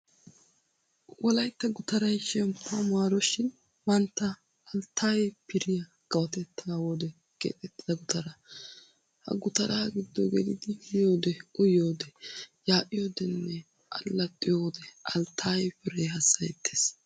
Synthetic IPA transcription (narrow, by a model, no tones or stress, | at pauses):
wʔɔlɐjt̪ːɐɡʊt̪ɐɾɐjʃɛmpːamʊaːɾɔʃɪn | mɐnt̪ːɐː | lt̪ʰːaːjɛpɪɾɪjɐ | ɡ̥ɐwɐt̪ɛt̪ʰːɐwoːd̪ɛ | ɡ̥ḛːt̪ʼɛt̪ːɪd̪ɐɡʊt̪ʰɐɾɐ | hɐ̰ɡʊt̪ɐɾʔaːɡɪd̪ːɔɡɛd̪ɪd̪ɪjoːd̪ɛʔʊjoːd̪ɛjaːʔɪjoːd̪ɛnːɛ | ʔɐlːɐt̪ʼːɪjoːd̪ɛʔɐlt̪ʰːaːjɛpɪɾɛjhɐsːɐjɛt̪ʰːe̥ːs